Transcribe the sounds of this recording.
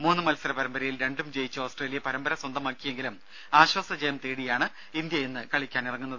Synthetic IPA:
muːnːɨmɐlsɐɾɐpɐɾɐmbɐɾɐjilɾe̞ɳɖumd͡ʑe̞jit͡ɕːuo̞ːsʈre̞ːlijɐpɐɾɐmbɐɾɐswɐnd̪ɐmaːkːijeŋɡilum | aːɕwɐsɐd͡ʑejɐmt̪eːɽijaːɳɨ | ind̪jɐenːɨkɐɭikʲːaːnirɐŋːunːɐðɨ

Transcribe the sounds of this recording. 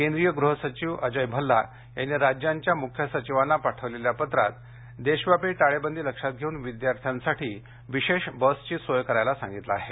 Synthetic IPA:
kend̪ɾijəɡɾuɦəsət͡ɕiʋəd͡ʑəjbʱəlːa | jeniɾad͡ʑjaɲt͡ɕjamukʰjəsət͡ɕiʋanːapaʈʰəʋleljapət̪ɾa̰t̪̚ | d̪eɕʋapiʈaɭebənd̪iːləkʂat̪̚ɡʱeunʋid̪jaɾt̪ʰjansaʈʰiː | ʋiɕeɕbəst͡ɕiːsojkəɾajlasã̰ŋɡit̪laaɦe

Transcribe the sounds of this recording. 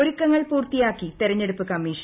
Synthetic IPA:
oɾukːɐŋːɐɭpuːrt̪ːijaːkːit̪iɾɐɲːe̞ɽupːɨkɐmːiːʂɐ

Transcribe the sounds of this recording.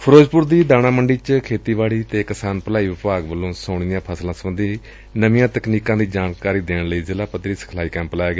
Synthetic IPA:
pʰəɾoːd͡ʒpʊɾd̪iːd̪aːñãːməɳɖiːt͡ʃkʰeːt̪iːʋaːɽiːt̪eːkəsaːnpəlaːiːʋɪpaːɡʋəlːõːsəʊɽd̪ɪjãːpʰəslãːsəbənd̪ʱiː | nəʋɪ̃jãːt̪əkniːkãːd̪iːd͡ʒaːɳkaːɾiːd̪eːɳləiːzɪlaːpət̪ɾiːsə̥kʰlaːiːkɛ̃ːmpəlaːjeːɡaː

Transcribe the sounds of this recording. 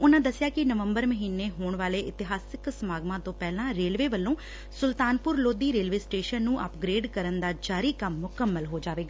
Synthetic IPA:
ʊnãːd̪əsːjaːkɪnəʋəmbəɾməɦiːnːeːɦoːɳʋaːleːʔɪt̪ɪɦaːsɪksəmaːɡmãːt̪õːpɛːlãːɾeːlʋeːʋəlːõː | sʊlt̪aːnpʊɾloːd̪iːɾeːlʋeːsʈeːʃənːũːʔə̰pɡɾeːɖkəɾənd̪aːd͡ʒaːɾiːkəmːʊkəmːəlɦoːd͡ʒaːʋeːɡaː

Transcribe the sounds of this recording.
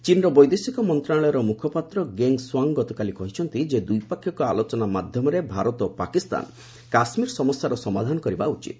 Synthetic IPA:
t͡ʃinɾɔbɔjd̪esikɔmɔnt̪ɾaɭɔjɔɾɔmukʰɔpat̪ɾɔɡeŋswaŋɡɔt̪ɔkalikɔɦit͡ʃʰɔnt̪id͡ʒed̪ujpakʰjɔkɔalot͡ʃɔnamad̪ʱjɔmɔɾebʱaɾɔt̪ɔpakist̪a̰n | kasmiɾɔsɔmɔsjaɾɔsɔmad̪ʱanɔkɔɾibaut͡ʃḭt̪̚

